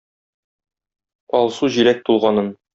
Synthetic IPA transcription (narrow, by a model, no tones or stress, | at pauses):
ɒlˠsuʑiɾæt̪̚t̪ːulˠʁɑnɤn